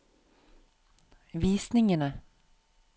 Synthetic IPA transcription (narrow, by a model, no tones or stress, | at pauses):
ʋiːsnɪŋənə